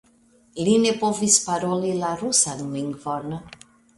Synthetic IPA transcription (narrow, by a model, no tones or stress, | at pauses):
linepɔvispaɾolilaɾusanmiŋvɔna